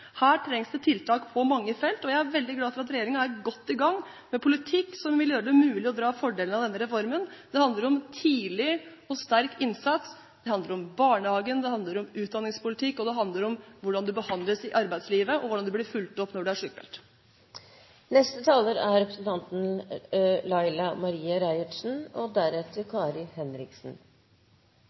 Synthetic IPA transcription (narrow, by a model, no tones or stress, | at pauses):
hæːʈʰɾɛŋsd̪ɛt̪ʰɪlt̪ʰɑːkpʰɔmɑŋːəfɛlt̪ɔjæɪæɾʋɛld̪ɪɡlɑːfɔɾɑt̪ɾɛjeːɾɪŋɑæɾɡɔt̪ːɪɡɑŋː | mɛpʰʊlɪt̪ʰɪkːsɔmʋɪljøːɾəd̪ɛmʉːlɪɔd̪ɾɑːfɔɖeːlənɑʋd̪ɛnːəɾɛfɔɾmənd̪ɛhɑnd̪ləɾɔmt̪ʰiːlɪ | ɔst̪æɾkɪnsɑt̪s | d̪ɛhɑnd̪əɾɔmbɑːɳəhɑːɡənd̪ɛhɑnd̪ləɾɔmʉːt̪d̪ɑnːɪŋspʊlɪt̪ʰɪkːɔd̪ɛɦɑnd̪ləɾɔmʋʊɖɑnd̪ʉbəhɑnd̪ləsɪʔɑɾbæɪsliːʋəʔɔʋʊɖɑnd̪ʉblɪɾfʉlt̪ɔpːnɔɖʉæʂʉːkːbɛ̰lt̪ | nɛst̪ət̪ʰɑːləɾæɾɾɛpɾəsnt̪ʰɑnt̪n̩ | lɑɪlɑmɑɾiːɑɾæɪəʈʂn̩ɔd̪æɾɛt̪əɾkʰɑːɾɪhɛnɾɪksn̩